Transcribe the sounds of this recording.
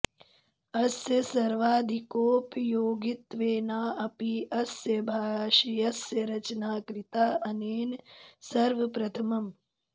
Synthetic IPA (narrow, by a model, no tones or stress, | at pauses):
ɐsjɐsɐɾʋaːd̪ʱikoːpjoːɡit̪ʋeːnaːɐpiʔɐsjɐbʱaːʃijɐsjɐɾɐt͡ʃɐnaːkɾit̪aːɐneːnsɐɾʋɐpɾɐt̪ʰɐmɐm